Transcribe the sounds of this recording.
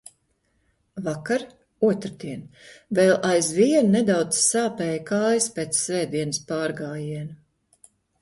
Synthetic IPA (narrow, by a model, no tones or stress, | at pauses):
vakaɾ | uɔt̪ɾd̪iɛnvɛlˠʔajzviɛnnɛd̪awd̪zsaːpɛːjkaːjspeːt̪ssvɛːd̪iɛnɨspaːɾɡaːjiɛn